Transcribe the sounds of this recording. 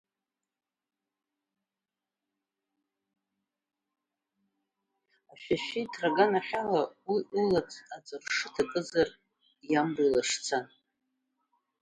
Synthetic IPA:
aʃᶣaʃitʰraɡanaħʲᶣalawiʔɨlat͡sʰad͡zʼɨrʂɨtʰakʼɨzar | jamrijlaʂt͡sʰan

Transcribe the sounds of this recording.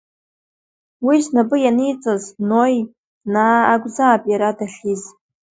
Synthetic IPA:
wiznabɨjanijt͡sʼaznoj | naːaɡʷʼzaːpʼjaɾadaχʲiz

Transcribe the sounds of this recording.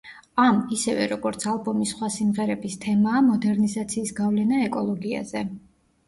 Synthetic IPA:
amisɛvɛ̰ɾɔɡɔɾt̪sʰalˠbɔmisχwasimʁɛɾɛbist̪ʰɛmaːmɔd̪ɛɾnizat̪sʰiːsɡavlɛnaɛkʼɔlˠɔɡia̰zɛ

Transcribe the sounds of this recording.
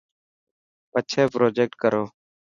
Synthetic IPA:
ət͡ʃʰɛːpɾoːd͡ʒeːk̚ʈ̚kəɾʔoː

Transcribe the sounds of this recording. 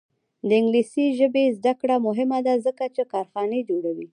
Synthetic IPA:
d̪əɪŋɡlisiʒəbezd̪akɽamʊɦɪmad̪azəkat͡ʃekɑɾxɑned͡ʒoɽawi

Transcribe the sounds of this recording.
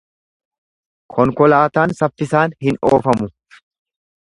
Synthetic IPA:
kʰɔŋkɔlaːt̪aːnsɐfːɪsaːnhɪnoːfɐmʊ

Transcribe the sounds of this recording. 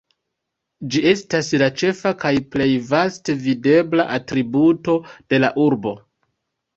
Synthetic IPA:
d͡ʒie̞staslat͡ʃe̞fakajple̞jvaste̞vide̞blaʔatɾibuto̞d̥e̞la̰ʔuɾbo̞

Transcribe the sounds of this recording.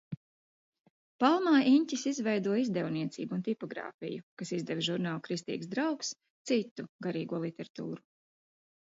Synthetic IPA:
palˠmaːʔiɲʲcʲisizvɛjd̪uɔizd̪ɛwniɛt̪siːbuunt̪ipɔɡɾa̰ːfḭjukasizd̪ɛvʒuɾnaːlˠkɾist̪ḭːɡsd̪ɾawks | t̪sit̪ːuɡaɾiːɡuɔlˠit̪ɛɾat̪ṵːɾu

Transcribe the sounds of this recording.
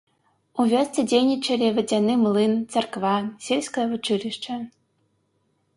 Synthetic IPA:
uvʲɔst̪t͡s̪ʲɛd͡zʲejnʲit͡ʂɐlʲivɐd͡zʲanɨmlˠɨnt̪t͡s̪ɐrkvasʲelʲsʲkɐjɐvut͡ʂɨlʲiʂt͡ʂɐ

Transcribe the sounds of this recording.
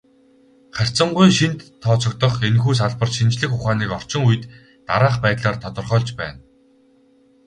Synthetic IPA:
χær̥ʲt͡sə̆ɴɢujʃint̪ʰːɔːt͡sɞ̆k̚t̪ɞ̆χenxuːs̬aɮpə̆rʃint͡ɕɮɘ̆xʊχaːniːkɔr̥t͡ɕɪ̆ŋuj̆t̪ː | a̰ɾaːχpæːt̪ɮaːrt̪ʰɔt̪ɞ̆rχœːɮt͡ɕpæ̰ːn

